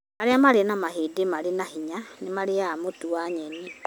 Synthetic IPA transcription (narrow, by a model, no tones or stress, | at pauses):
aɾeamaɾenamaɦedemaɾenahiɲanemaɾeamotuaɲɛni